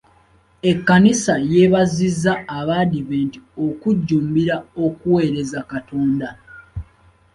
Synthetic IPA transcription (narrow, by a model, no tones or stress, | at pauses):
e̞kːanisaje̞βazizːaːβadiventio̞kuɟːuːmbiɾao̞kuwe̞ːɾe̞zakato̞ːnda